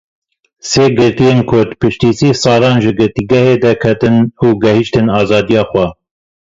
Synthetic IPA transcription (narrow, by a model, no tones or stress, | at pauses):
seːɡɨɾt̪ijeːnkʰʊɾd̪pʰɨʃt̪iːsiːsɑːlɑːnʒɨɡɨɾt̪iːɡɛheːd̪ɛkʰɛt̪ɨnuːɡɛhiʃt̪ɨnɑːzɑːd̪ijɑːxwɛ